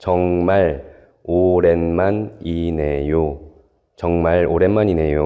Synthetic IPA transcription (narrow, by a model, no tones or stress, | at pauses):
t͡ɕʌŋmaɭ | oɾenmaninejo | t͡ɕʌŋmaɭoɾe̞nmanine̞jo